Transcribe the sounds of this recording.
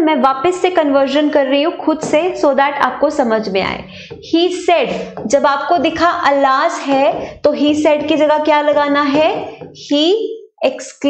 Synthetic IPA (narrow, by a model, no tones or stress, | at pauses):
mɛ̃ːʋaːpəsːekɐnʋəɾʃənkɐɾːɐɦiɦũxʊd̪sesoːd̪aːʈʰa̰ːp̚kosɐməd͡ʒʱmẽa̰ːḛː | hiːsɛɖd͡ʒɐbaːp̚kod̪ɪkʰaʔɐlaːzɦɛt̪oɦiːsɛːɖkid͡ʒɐɡakjaːlɐɡaːnaɦɛhiː | eksk